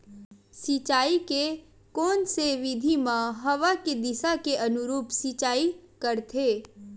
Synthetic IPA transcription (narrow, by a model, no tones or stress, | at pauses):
sit͡ʃaːike | kɔːnseʋɪd̪ʱimãɦɐʋaked̪ɪsakeʔɐnʊɾuːpsit͡ʃaːikɐɾt̪ʰeː